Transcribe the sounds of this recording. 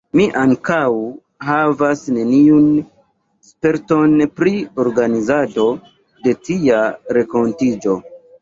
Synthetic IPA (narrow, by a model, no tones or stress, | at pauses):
miʔaŋkaw | ɦavasne̞niun | spe̞ɾto̞npɾio̞ɾɡanizado̞ | de̞tiaɾe̞ko̞ntid͡ʒo̞